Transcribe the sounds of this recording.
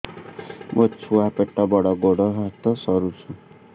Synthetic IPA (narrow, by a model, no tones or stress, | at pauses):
mot͡ʃʰuapeʈːɔbɔɽɔɡoɽɔɦat̪ɔsɔɾut͡ʃʰũ